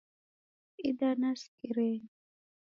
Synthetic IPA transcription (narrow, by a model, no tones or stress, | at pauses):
id̪anaskiɾe